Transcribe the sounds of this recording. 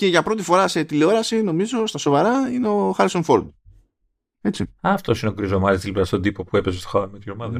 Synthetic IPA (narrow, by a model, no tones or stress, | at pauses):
ce̞ʝɐpɾo̞t̪̬ifo̞ɾɐse̞t̪ileo̞ɾɐsino̞mizo̞st̪ɐso̞vɐɾɐineoxɐɾiso̞nfo̞ɾd̪ | e̞t͡siɐft̪o̞sineoɡɾizomɐt̪ist̪ilpɾɐst̪od̪ipo̞pue̞pezest̪oxanmit̪ɾomɐðe